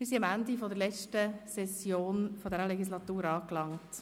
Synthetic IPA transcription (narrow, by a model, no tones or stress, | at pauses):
mɪɾsiɑmændifɔdəɾlɛt͡ʃtəsɛsjoːnfodɛɾəlɛɡislɑtuːɾɑːklɑŋt